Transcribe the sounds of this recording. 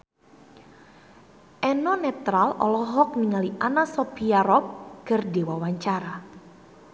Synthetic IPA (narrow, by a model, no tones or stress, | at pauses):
ʔɛnɔnɛt̪ɾalɔ̰lɔɦɔk̚niŋaliʔanasɔpiaɾɔp̚kərdewawaɲt͡ʃaɾa